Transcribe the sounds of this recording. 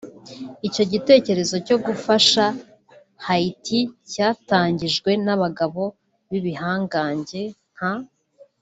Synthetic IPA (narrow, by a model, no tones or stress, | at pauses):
ico̞ɟite̞ːce̞ɾe̞zo̞co̞ɡufaʃa | haitʰicaːtaːɲɟiʒɡwe̞naβaɡaβo̞ | βiβihaːŋɡaːɲɟe̞ŋ̥ha